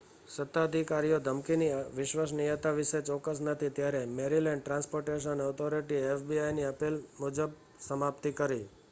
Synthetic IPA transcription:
sət̪ːaəd̪ʱikaɾijod̪ʱəmkiniʋɪʃʋəs̬nijət̪aʋɪʃet͡ʃɔkːəs̬nət̪ʰit̪jaɾemeɾilɛɳɖ̚ʈɾãnspoɾʈeʃ̬ənɔt̪ʰoɾiʈiefbiajniəpilmud͡ʒəb̚ | səmap̚t̪ikəɾi

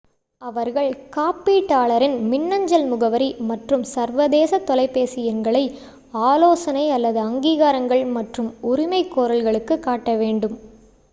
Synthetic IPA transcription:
ɐʋɐɾɣɐɭkaːpːiːʈːaːɭɐɾɪnmɪnːɐɲd͡ʒɐlmʊɣɐʋɐɾimɐʈrɯmsɐɾʋɐðeːsɐt̪ːɔlɐɪpːeːsɪjɐnɡɐɭɐɪ | aːloːsɐnɐɪɐlːɐðɯɐŋɡiːɣaːɾɐŋɡɐɭmɐʈrɯmʊɾɪmɐɪkːoːɾɐlɣɐɭɯkːɯkːaːʈːɐʋeːɳɖɯm

